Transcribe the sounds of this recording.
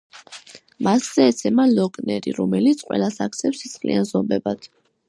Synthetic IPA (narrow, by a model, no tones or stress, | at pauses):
masz̥ɛːt̪sʰɛmalɔkʼnɛɾḭɾɔmɛlit̪sʰqʼwɛ̰lasakt̪sʰɛpsisχlḭanzɔmbɛbad̪̥